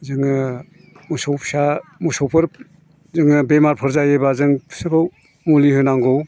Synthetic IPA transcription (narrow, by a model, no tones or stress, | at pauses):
zɯŋɯ | musɔwpʰsamusɔwpʰɯɾ | zɯŋɯbemaɾpʰɯɾzajebazɯŋpʰsɯkʰɯw | mulihɯjnaŋɡɔw